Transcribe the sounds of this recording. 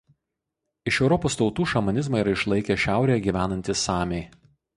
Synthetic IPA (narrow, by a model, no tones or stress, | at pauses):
ɪʃɛʊɾɔpoːst̪ɒʊt̪uːʃɐmɐnʲɪzmɑiɾɐɪʃlˠɐɪkʲeʃʲæˑʊɾʲeːjɛɡʲiːʋʲæːnɐnʲt̪ʲɪsɑːmʲeɪ